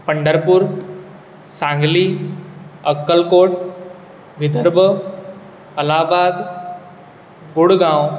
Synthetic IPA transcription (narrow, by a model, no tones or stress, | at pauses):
pəɳɖəɾpuːɾ | sãŋɡliː | əkːəlkoʈ | ʋid̪ʱəɾbʱə | əlaːbad̪ | ɡoɽɡãw